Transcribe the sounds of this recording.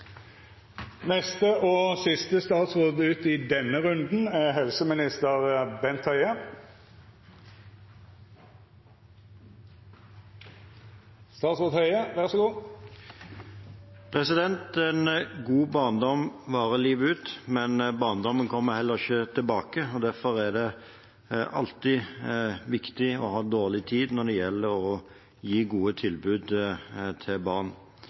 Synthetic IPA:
nɛst̪əʔɔsɪst̪əst̪ɑːt̪sʁoːd̪ʉːt̪ɪd̪ɛnːəʁʉnd̪n̩æɦɛlsəmɪnɪst̪əʁbɛnt̪ʰhœʏə | st̪ɑːt̪sʁoːd̪hœʏəʋæʁsɔɡuː | pʰʁɛsɪd̪ɛnt̪ɛnɡuːbɑːnd̪ɔmʋɑːʁəliːʋʉːt̪mɛnbɑːnd̪ɔmːənkʰɔmːəhɛlːəʁɪçət̪ʰɪlbɑːkəɔd̪æʁfɔʁæd̪ɛ | ʔɑ̰lt̪ɪ | ʋɪkt̪ɪɔ̰hɑːd̪oːʁlɪt̪ʰiːd̪nɔd̪ɛjɛlːəʁɔ | jiːɡuːət̪ʰɪlbʉːd̪t̪ʰɪbɑʁn

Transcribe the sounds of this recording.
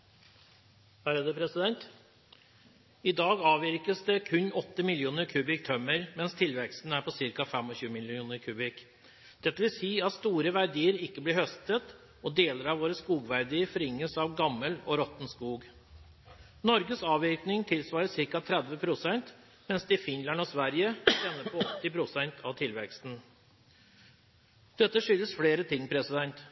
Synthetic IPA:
hæɾəd̪əpʰɾɛsɪd̪ɛnt̪ | ɪd̪ɑːɡɑːʋɪɾkəsd̪ɛkʰʉnːɔt̪ːəmɪljuːnəɾkʰʉːbɪk̚t̪ʰœmːəɾmɛnst̪ʰɪlʋɛkst̪n̩əæɾpʰɔsɪɾkɑfɛmɔçʉːəmɪljuːnəɾkʰʉːbɪk | d̪̥ɛt̪ːəʋɪlsiːɑt̪st̪uːɾəʋæɾɖ̪iːəɾɪkːəblɪɾhœst̪ət̪ | ɔd̪eːləɾɑʋoːɾəskuːɡʋæɾd̪iːəɾfɔɾɪŋːəsɑʋɡɑmːəlɔɾɔt̪nskuːɡ | nɔɾɡəsɑːʋɪknɪŋt̪ʰɪlsʋɑːɾəsɪɾkɑt̪ʰɾɛd̪ʋəpʰɾʊsɛnt̪ | mɛnsd̪ɛɪfɪnlɑnɔsʋæɾjəɛnːəpʰɔɔt̪ːɪpʰɾʊsɛnt̪ʰɑʋt̪ʰɪlʋɛkst̪n̩ | d̪̥ɛt̪ːəʂʏlːəsfleːɾət̪ʰɪŋːpʰɾɛsɪd̪ɛnt̪

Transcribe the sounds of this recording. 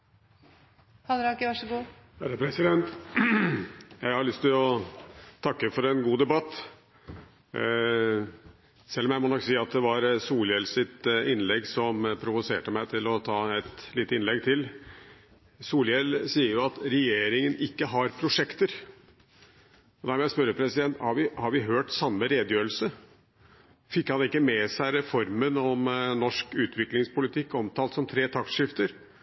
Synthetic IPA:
hɑlɾɑkɪʋɑʂəɡuːhæɾəpʰɾɛsɪd̪ɛnt̪ | jæɪhɑɭʏst̪ɪlɔ | t̪ʰɑkːəfɔɾɛnɡuːd̪ɛbɑt̪ː | sɛlːɔmjæɪmɔːnɔkːsiːɑt̪̚d̪ɛʋɑɾsuːljɛlsɪt̪ɪnlɛɡsɔmpʰɾʊʋʊsḛːʈəmæɪt̪ʰɪlɔt̪ʰɑːɛt̪liːt̪əɪnlɛɡt̪ʰɪl | suːljɛlsiːəɾjʊɑt̪ɾɛjeːɾɪŋənɪkːəɦɑɾpʰɾʊʂɛkt̪əɾ | ɔd̪æɾmjæspœɾəpʰɾɛsɪd̪ɛnt̪hɑɾʋɪhɑɾʋɪɦøːʈsɑmːəɾeːd̪jøːɾəl̩sə | fɪkːhɑnɪkːəmɛsæɪɾɛfɔɾmənɔmnɔʂkʉːt̪ʰʋɪklɪŋspʊlɪt̪ʰɪkːɔmt̪ʰɑːlsɔmt̪ʰɾeːt̪ʰɑk̪ʂɪft̪əɾ

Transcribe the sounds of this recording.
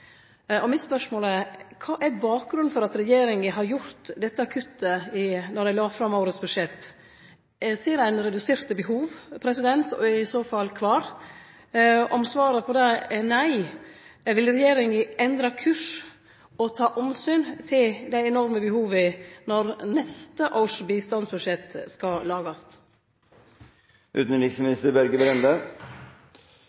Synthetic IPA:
ʔɔmɪt̪spœʂmoːlɛkʰɑːʔɛɾbɑːk̚ɡɾʉnfɔɾɑt̪ɾɛjeːɾɪŋəɦɑɾjʊɾt̪d̪ɛt̪ːəɑkʰʉt̪ːəɪnɔɾd̪æɪlɑːfɾɑmʊːɾət̪sbʉd̪ʂɛt̪ː | siːɾæɪnɾɛd̪ʉseːɾt̪bəɦuːʋpʰɾɛsɪd̪ɛnt̪ɔ̰ɛɪsoːfɑlːkʰʋɑːɾ | ʔɔmsʋɑːɾəpʰɔd̪ɛnæɪ | ʋɪlɾɛjeːɾɪŋəɛnd̪ɾɑkʰʉʂ | ɔt̪ʰɑːʔɔmsyːnt̪ʰɪld̪æɪɛnɔɾməbəhuːʋənɔɾnɛst̪əʔoːʂbiːst̪ɑnsbʉʂɛt̪ːskɑlɑːɡɑst̪ | ʔʉ̰ːt̪n̩ɾɪksmɪnɪst̪əɾbæɾɡəbɾɛnd̪ə

